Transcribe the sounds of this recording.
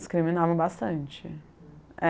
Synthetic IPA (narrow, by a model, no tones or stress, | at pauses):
skɾimĩnavɐ̃w̃bast̪ɐ̃nt͡ʃɪ | ɛ